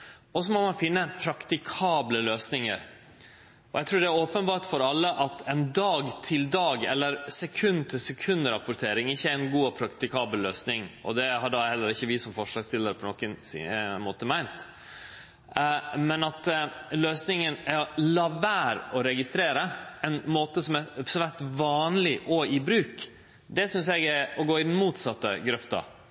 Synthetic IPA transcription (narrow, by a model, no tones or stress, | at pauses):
ɔs̬ɔmɔmɑnfɪnːəpʰɾɑkt̪ɪkʰɑːbləløːsnɪŋə̰ɾ | ɔjæɪt̪ʰɾʉːɖɛæɾoːpənbɑːɾʈfɔɾɑlːəʔɑt̪ʰɛnd̪ɑːɡt̪ʰɪld̪ɑːɡɛ̰lːəɾsɛkʰʉnːt̪ʰɪlsɛkʰʉnd̪əɾɑpʊɾt̪ʰeːɾɪŋɪçːəæɪnɡuːɔpʰɾɑkt̪ɪkʰɑːbəllːøːsnɪŋʔɔ̰d̪ɛhɑɖɑhɛlːəɾɪçːəʋɪsɔmfɔʂlɑst̪ɪlːəɾəpʰɔnɔkənsmoːt̪əmæɪnt̪ | mɛnɑt̪løːsnɪŋənæɾlɑʋæːɾɔɾɛɡɪst̪ɾeːɾəɛnmoːt̪əsɔmɛsʋæt̪ʋɑːnlɪʔɔɪbɾʉːk | d̪ɛsʏns̬ɛɡæɔɡoːɪd̪n̩muːt̪sɑt̪ːə̰ɡɾœft̪ɑ̰